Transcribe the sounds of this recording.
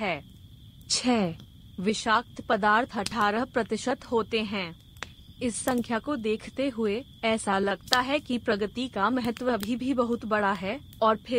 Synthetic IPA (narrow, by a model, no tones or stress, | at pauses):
ɦɛː | t͡ʃʰɛː | ʋɪʃaːk̚t̪ʰpɐd̪aːɾt̪ʰɐʈʰaːɾəɦpɾɐt̪ɪʃət̪ɦoːt̪eɦɛ̃ː | ɪsːɐ̃ŋkʰjakod̪eːkʰt̪eɦʊe | ɛːsalɐɡt̪aɦɛkipɾɐɡət̪ikamɛɦət̪wəbʱibʱibɐɦʊt̪bɐɽaɦɛː | ɔːɾpʰɪ